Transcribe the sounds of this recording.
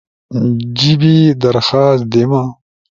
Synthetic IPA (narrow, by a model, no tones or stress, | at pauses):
d͡ʑibid̪ɐɾxaːsd̪ema